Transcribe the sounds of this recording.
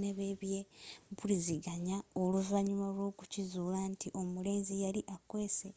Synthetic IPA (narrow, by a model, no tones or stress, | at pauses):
neβeβjebuliziɡaɲaoluvaɲumalwo̞ːkucizuːlantʰiʔo̞mule̞ːnzijaliʔakwe̞ːse